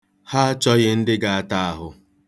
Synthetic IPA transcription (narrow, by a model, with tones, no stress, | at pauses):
ha˦t͡ʃɔ˦ɣɪ˦n̩˦dɪ˦ɡa˨a˦ta˦a˦ɦʊ˨